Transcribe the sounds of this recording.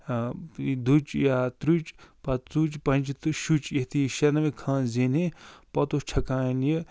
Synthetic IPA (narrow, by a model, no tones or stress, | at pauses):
d̪ut͡ʃjaːt̪ɾut͡ʃpɐt͡sut͡ʃpɐnt͡ʃt̪ʃut͡ʃjɐt̪iʃɐɾnɐʋẽkʰãːnzeːnepɐt̪ot͡ʃʰɐkãːinji